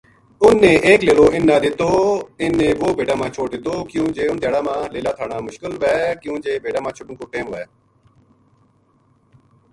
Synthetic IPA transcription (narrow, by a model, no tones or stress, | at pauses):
ʊnːẽːʔeːkleːloːɪnːãːd̪ɪt̪oːɪnːẽːʋoːbeːɖaːmãːt͡ʃʰoːʈ̚d̪ɪt̪oːkjũːd͡ʒeːʊnt̪jaːɽaːmãːleːlaːt̪ʰaːɳaːmʊʃkɪlʋɛːkjũːd͡ʒeːbeːɖaːmãːt͡ʃʰʊʈənkoːʈẽːmʋɛː